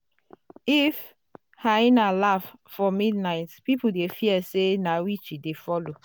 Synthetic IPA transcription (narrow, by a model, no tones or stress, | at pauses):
if | hainalaffɔmidnaɪtpipudefiɛsenawit͡ʃidefɔlo